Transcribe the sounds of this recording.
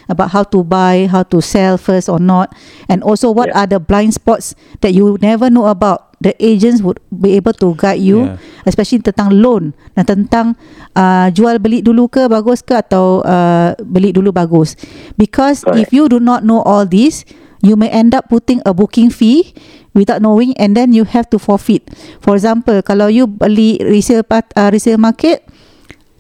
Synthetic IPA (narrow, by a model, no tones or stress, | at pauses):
əbaʊʔ̚ɦawtubajɦawtusɛlfəsɔnɔt̚ɛ̃nɔlsowɔtadəblãj̃nspɔts | d̥ɛt̚judnɛvənoəbawt̚dəʔed͡ʒə̃nswud̚biebəltuɡat̚juɛspɛʃəlit̪ə̃nt̪ãŋlõnːãt̪ə̃nt̪ãŋəd͡ʒualbəlit̪̚dulukəbaɡuskəat̪awəbəlit̪̚dulubaɡʊsbikʰɔsifjudunɔt̚noʔɔldis | jumẽʔɛ̃ndapːut̪ĩŋəbukɪ̃ŋfi | wid̪awt̚nowĩŋɛ̃ndɛ̃njuhɛft̪ufɔfit̪̚fɔɹɛkɡzãmpəlkalawjubəliʔɹisəfpaəɹisəfmakɛt̚